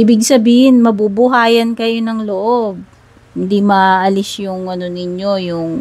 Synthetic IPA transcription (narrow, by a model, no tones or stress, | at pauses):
iːbɪɡ̚sɐbiːhɪnmɐbubʊɦaːjɐnkɐjo̞nɐŋloʔo̞b̚ | hɪnd̪imɐʔɐlɪsjʊŋʔɐno̞nɪɲo̞jʊŋ